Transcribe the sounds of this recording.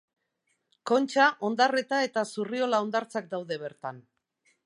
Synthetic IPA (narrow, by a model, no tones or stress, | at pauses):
ko̞nt͡ʃaʔo̞nd̪are̞t̪ae̞t̪asurio̞lao̞nd̪aɾt͡sak̚d̪awðe̞β̞e̞ɾt̪an